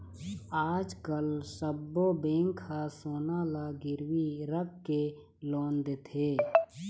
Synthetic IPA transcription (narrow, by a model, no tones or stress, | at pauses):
aːd͡ʒkəlsəbːobẽːŋkʰasoːnaːlaɡɪɾwiɾəkːe | loːnd̪et̪ʰeː